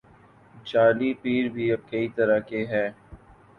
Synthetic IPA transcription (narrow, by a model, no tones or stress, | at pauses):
t͡ʃaːlipiːɾbʱiɐb̚kɐit̪ɐɾakeɦɛː